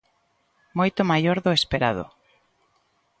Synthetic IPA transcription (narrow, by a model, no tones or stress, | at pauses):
mojt̪ʊmajoɾðʊespeɾað̞oʊ̰